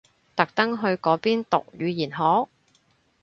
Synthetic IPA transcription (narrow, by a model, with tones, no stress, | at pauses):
t̪ɐ˨k̚t̪ɐ˥ŋɦɵ˧ɥkɔː˨˥piː˥nt̪ʊ˨k̚jyː˨˧jiː˨˩nɦɔː˨˥